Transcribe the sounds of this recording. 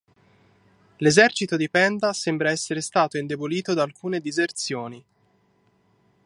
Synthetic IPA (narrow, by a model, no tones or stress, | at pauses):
lezɛrt͡ʃit̪od̪ipɛnd̪asembɾaɛsːeɾest̪aːt̪oind̪eboliːt̪od̪aːlkʰuːned̪izert̪sjoːni